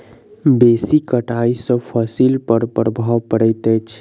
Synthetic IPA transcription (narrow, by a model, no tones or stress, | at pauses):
besikəʈaisə̃pʰəsilpəɾpəɾəbʱawpəɽət̪ət͡ʃʰ